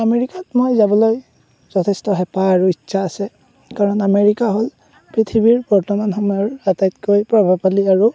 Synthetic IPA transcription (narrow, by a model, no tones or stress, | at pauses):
ameɹikatmojzabɔloj | z̥ɔtʰɛstɔɦɛpaaɹuitːsaːsɛ | kaɹɔnameɹikaɦol | pɹitʰibiɹbɔɹtɔmanxɔmɔjɔɹatajtkojpɹɔbʱabpaliaɹu